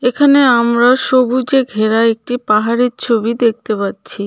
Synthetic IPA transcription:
ekʰaneamɾaʃobud͡ʑeɡʱeɾaek̚ʈipaɦaɾiɾt͡ɕʰobid̪ek̚t̪epatːɕʰi

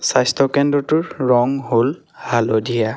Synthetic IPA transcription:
sajstʰɔkɛndɹɔtʊɹɹɔŋɦol | halodija

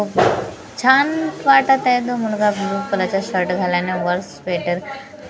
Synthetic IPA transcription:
t͡ɕʰanʋaʈat̪ad̪omulɡabiupəlat͡ɕaɕəɾʈɡʱaljaneʋəlspeʈəɾ

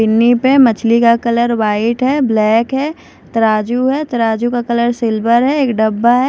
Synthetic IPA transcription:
ɪnːipemɐt͡ʃʰlikakɐləɾʋaːɪʈɦɛblɛːkɦɛː | t̪ɐɾaːd͡ʒuɦɛt̪ɐɾaːd͡ʒukakɐləɾsɪlbəɾɦɛeːkɖɐbːaɦɛ

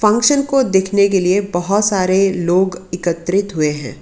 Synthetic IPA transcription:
fɐ̃ŋkʃənkod̪eːkʰnekeliebɐɦɔt̪saːɾeloːɡɪkət̪ːɾɪt̪ɦʊeɦɛ̰̃ː

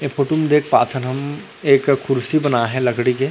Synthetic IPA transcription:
epʰoːʈumd̪eːkʰpaːt̪ʰənɦɐm | eːkʰːʊɾsibɐnaɦɛ̃lɐɡɽike

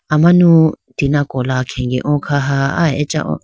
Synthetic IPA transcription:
amãnũ | t̪inãkolakʰeŋɡḛʔõkʰaɦaa̰eet͡ʃʼã̰ʔõ̰

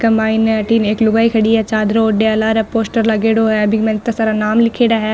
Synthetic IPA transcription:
kɐmbaːɪnɛɐʈiːneːklʊɡaːikʰɐɽiɦɛt͡ʃaːd̪ɾoɖeɐlaːɾɛpoːsʈəɾlɐɡeːɽoɦɛɐbʱimɛ̃nɪt̪ːasaːɾanaːmlɪkʰeːɽaɦɛː

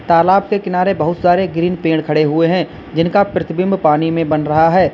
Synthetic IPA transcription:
t̪aːlaːb̚kekɪnaːɾebɐɦʊt̪saːɾeɡɾiːnpẽːɽ̃kʰɐɽeɦʊeɦɛ̃ | d͡ʒɪnkapɾɐt̪ʰbɪ̃mbpaːnimẽbɐnɾɐɦaɦɛː

